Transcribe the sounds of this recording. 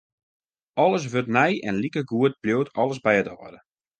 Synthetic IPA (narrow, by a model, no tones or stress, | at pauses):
ɔlˠəs̬ʋøtnɛjɛ̰nlikəɡuət̚bljoːtʰɔlˠəsbɛjətɔədə